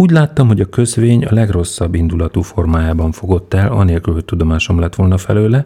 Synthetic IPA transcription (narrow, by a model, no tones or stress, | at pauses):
uːɟlaːt̪ːɒmɦo̞ɟɒkø̞zveːɲɒ̰lɛɡro̞sːɒbːind̪ulɒt̪uːfo̞rmaːjaːbɒɱfo̞ɡo̞t̪ːɛlɒ̰neːlkylho̞c̚t̪ud̪o̞maːʃo̞mlɛt̪ːʋo̞lnɒfɛ̰løːlɛ